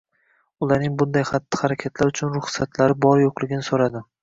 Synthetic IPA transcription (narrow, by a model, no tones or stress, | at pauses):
ʊlˠaɾnɪŋbʊnd̪ajχat̪ʰːɪ̥haɾakʲʰat̪ʰlaɾʊt͡ʃʰʊnɾʊχsat̪ʰlaɾɪbɒɾjoqlˠɪɡʲɪnɪsoɾad̪ɪ